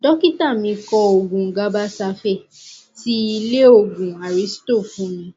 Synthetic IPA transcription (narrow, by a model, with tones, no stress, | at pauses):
dɔ˦ki˦ta˦˨mĩ˧˦kɔ˧o˨ɡũ˨ŋ̩˨ɡa˨˦ba˦sa˧fɛ˦˨ | ti˦i˧le˦o˨ɡũ˨a˨ɾi˨˦sto˦˨fũ˨˦nĩ˨˦